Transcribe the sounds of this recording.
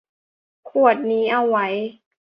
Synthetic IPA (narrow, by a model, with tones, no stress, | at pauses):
kʰu˨˩ət̪̚niː˦˥ʔa˧˩wa˦˥j